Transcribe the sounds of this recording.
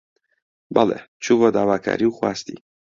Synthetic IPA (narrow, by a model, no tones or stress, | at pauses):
balɛ̰ | t͡ʃʰuvɔd̪aːvakʰa̰ɾiwxwast̪ḭ